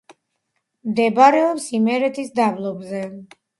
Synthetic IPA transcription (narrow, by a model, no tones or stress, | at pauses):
md̪ɛbaɾɛɔpsimɛɾɛt̪ʰisd̪ablˠɔbzɛ